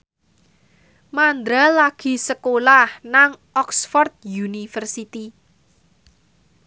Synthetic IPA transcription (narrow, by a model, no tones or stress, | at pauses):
mand̪ɾalaɡ̥i̤səkolahnaŋʔɔksfɔrt̪̚junifərsit̪i